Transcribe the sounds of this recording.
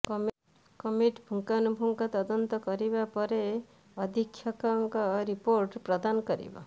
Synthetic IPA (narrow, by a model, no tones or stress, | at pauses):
kɔm | kɔmiʈbʱuŋkanubʱuŋkɔt̪ɔd̪ɔnt̪ɔkɔɾibapɔɾe | ɔd̪ʱikʰːjɔkɔŋkɔɾipoɾʈpɾɔd̪anɔkɔɾḭbɔ̰